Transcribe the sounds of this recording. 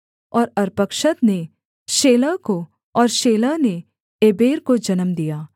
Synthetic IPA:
ɔːɾɐɾpəkʃət̪ne | ʃeːləko | ɔːɾʃeːləne | eːbeːɾkod͡ʒɐnəmd̪ijaː

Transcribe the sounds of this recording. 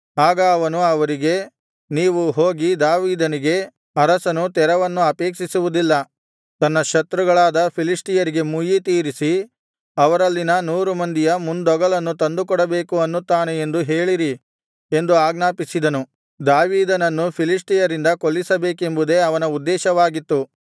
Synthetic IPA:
aːɡɐːʋɐnuɐʋɐɾiɡe̞ | niːʋuɦoːɡid̪aːʋiːd̪ɐniɡe̞ | ɐɾɐsɐnut̪ɛɾɐʋɐnːuɐpeːkʂisuʋud̪ilːɐ | t̪ɐnːɐʃɐt̪ɾuɡɐɭaːd̪ɐpʰilisʈijɐɾiɡe̞mujit̪iːɾisi | ɐʋɐɾɐlːinɐnuːɾumɐnd̪ijɐmund̪ɔɡɐɭɐnːut̪ɐnd̪ukɔɽɐbe̞ːkuɐnːut̪ːaːneend̪uɦe̞ːɭiɾi | e̞nd̪uaːɡnaːpisid̪ɐnu | d̪aːʋiːd̪ɐnɐnːupʰilisʈijɐɾind̪ɐkolːisɐbe̞ːke̞mbud̪e̞ɐʋɐnɐud̪ːɛːʃɐʋaːɡit̪ːu

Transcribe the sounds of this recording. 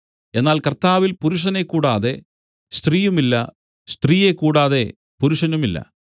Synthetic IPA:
e̞nːaːlkɐrt̪aːʋilpuɾuʂ̬ɐne̞kːuːɽaːðe̞ | st̪riːjumilːɐ | st̪riːje̞kːuːɽaːðe̞ | puɾuʂɐnumilːɐ̰

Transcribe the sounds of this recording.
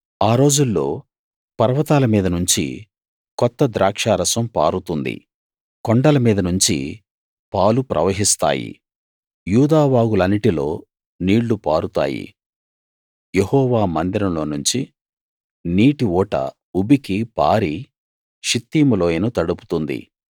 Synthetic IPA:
aːɾo̞ːd͡ʒulːo̞ː | pɐɾʋɐt̪aːlɐmiːd̪ɐnuɲt͡ʃḭ | kɔt̪ːɐd̪ɾaːkʂaːɾɐsɐmpa̰ːɾut̪und̪ḭ | kɔɳɖɐlɐmiːd̪ɐnuɲt͡ʃḭ | paːlupɾʔɐ̰ʋɐɦist̪a̰ːjḭ | juːd̪aːʋaːɡulɐnːiʈilo̞̰ː | niːɽːupaːɾut̪a̰ːjḭ | jehɔːʋaːmɐnd̪iɾɐmlo̞ːnuɲt͡ʃi | niːʈiɔːʈɐ̰ | ubikipa̰ːɾi | ʃit̪ːiːmuloːjenut̪ɐɽupu̥t̪und̪ḭ

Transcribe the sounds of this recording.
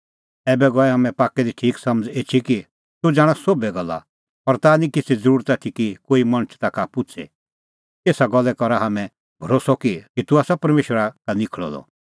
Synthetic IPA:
ɛːbɛɡɔɛɦamɛ̃paːkɛd̪iʈʰiːksɐməd͡zet͡ʃʰiki | t̪ud͡zaːɽ̃asoːbɛɡɐlːa̰ | pɔɾt̪anĩkɪt͡sʰid͡zəɾuːɾət̪at̪ʰikikoːimɐñət͡ʃʰt̪akapʊt͡ʃʰḛ | t̪eːsaɡɔlːɛkɔɾaɦamɛ̃ | bʱɔɾoːsɔkikit̪uaːsapɐɾmeːʃwəɾakanɪkʰɭɔ̰lɔ̰

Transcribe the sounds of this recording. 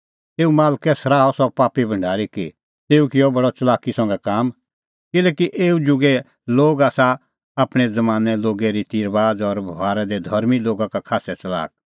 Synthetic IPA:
t̪eːumaːlkɛsɐɾaːɔsɔpaːpibʱɐ̃ɳɖʱaːɾiki | t̪eːukɪjɔbɐɽɔt͡ʃɐlaːkisɐ̃ŋɡɛkaːm | kɪlɛːkiʔeːud͡ʒʊɡɛ | loːɡaːsa | aːpɽ̃ɛd͡zɐmaːnɛloːɡɛɾit̪iːɾbaːd͡zɔɾbʱaːɾɛd̪ɛd̪ʱɐɾmiloːɡakakʰaːsɛt͡ʃɐla̰ːk̚

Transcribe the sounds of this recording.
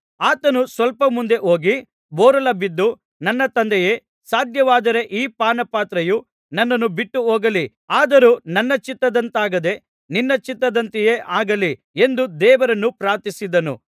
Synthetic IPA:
aːt̪ɐnusʋɐlpɐmund̪e̞ʔoːɡi | bɔːɾɐlɐbid̪ːu | nɐnːɐt̪ɐnd̪ɛjeː | saːd̪ʱjɐʋaːd̪ɐɾe̞ʔiːpaːnɐpaːt̪ɾɐju | nɐnːɐnːubiʈːuoːɡɐli | aːd̪ɐɾuːnɐnːɐt͡ʃit̪ːɐd̪ɐnt̪aːɡɐd̪e̞ | ninːɐt͡ʃit̪ːɐd̪ɐnt̪ijeːʔaːɡɐli | e̞nd̪ud̪ɛːʋɐɾɐnːupɾaːɾt̪isid̪ɐnṵ

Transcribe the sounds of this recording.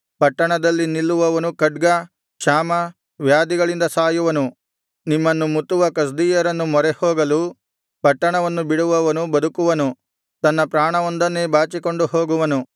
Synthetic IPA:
pɐʈːɐɳɐd̪ɐlːinilːuʋɐʋɐnukɐɖɡɐ | ʃaːmɐ | ʋjaːd̪iɡɐɭind̪ɐsaːjuʋɐnu | nimːɐnːumut̪ːuʋɐkɐs̬d̪iːjɐɾɐnːumɔɾɛhoːɡɐlu | pɐʈːɐɳɐʋɐnːubiɽuʋɐʋɐnubɐd̪ukuʋɐnu | t̪ɐnːɐpɾaːɳɐʋond̪ɐnːebaːt͡ʃiko̞ɳɖuɦoːɡuʋɐnu

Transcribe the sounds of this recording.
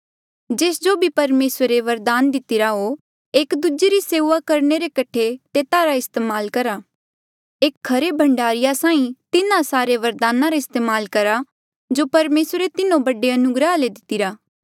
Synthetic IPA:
d͡ʒeːsd͡ʒobʱipɐɾmeːsɾeʋɐɾd̪aːnd̪ɪt̪ɪɾaɦo | eːkd̪ud͡ʒeɾiseːʋakɐɾneɾekɐʈʰːet̪eːt̪aːɾaɪst̪eːmaːlkɐɾa | eːkkʰːɐɾebʱɐ̃ɳɖaːɾɪjasãːĩt̪ɪnãsaːɾeʋɐɾd̪aːnaɾaɪst̪eːmaːlkɐɾa | d͡ʒoːpɐɾmeːsɾet̪ɪnõbɐɖeɐnʊɡɾəɦaled̪ɪt̪ːɪɾaː

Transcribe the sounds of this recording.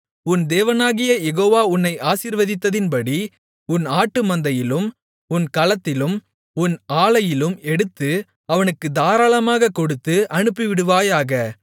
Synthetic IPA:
ʊnd̪eːʋɐnaːɣɪjɐjɛɣoːʋaːʊnːɐɪʔaːsiːɾʋɐðɪt̪ːɐðɪnpɐɽi | ʊnaːʈːɯmɐnd̪ɐjɪlɯm | ʊnkɐlɐt̪ːɪlɯm | ʊnaːɭɐjɪlɯmɛɽɯt̪ːɯ | ɐʋɐnɯkːɯd̪aːɾaːlɐmaːɣɐkːɔɽɯt̪ːɯʔɐɳɯpːiʋɪɽɯʋaːjaːɣɐ

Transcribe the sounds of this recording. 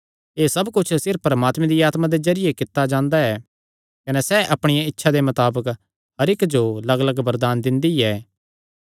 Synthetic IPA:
eːsɐbkʊt͡ʃʰsɪɾfpːɾɐmaːt̪mẽd̪iaːt̪mãd̪ezɐɾɪjekɪt̪ːad͡ʒãːnd̪aɛː | kɐnɛsɛʔɐpɽ̃ɪjaɪtːʃʰad̪emɐt̪aːbək | ɦɐɾɪkd͡ʒolɐɡələɡbɐɾd̪aːnd̪ɪ̃nd̪iɛː

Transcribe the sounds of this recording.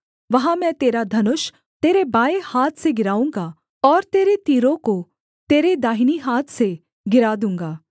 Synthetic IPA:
ʋɐɦãmɛ̃ːt̪eːɾad̪ʱɐnʊʃ | t̪eːɾebaːehaːt̪ʰseɡɪɾaːũːŋɡa | ɔːɾt̪eːɾet̪iːɾõko | t̪eːɾed̪aːɦiniɦaːt̪ʰse | ɡɪɾaːd̪ũːŋ̆ɡaː

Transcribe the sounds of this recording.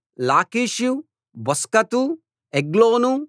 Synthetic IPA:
laːkiːʃju | bɔskɐt̪u | eɡloːnu

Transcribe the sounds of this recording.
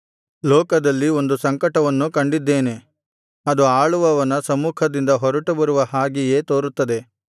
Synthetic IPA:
lɔːkɐd̪ɐlːio̞nd̪usɐŋkɐʈɐʋɐnːukɐɳɖid̪ːe̞ːne̞ | ɐd̪uaːɭuʋɐʋɐnɐsɐmuːkʰɐd̪ind̪ɐɦɔɾɐʈubɐɾuʋɐɦaːɡije̞ːt̪o̞ːɾut̪ːɐd̪e̞

